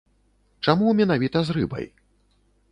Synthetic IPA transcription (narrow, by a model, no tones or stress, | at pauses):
t͡ʂamumʲɛnavʲit̪ɐzrɨbɐ̰j